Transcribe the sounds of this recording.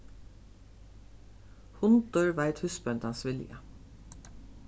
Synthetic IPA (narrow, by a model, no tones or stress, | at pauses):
hʊnd̪̥œɹʋæɪt̪hʉspœnt̪ɑnsʋɪljə̰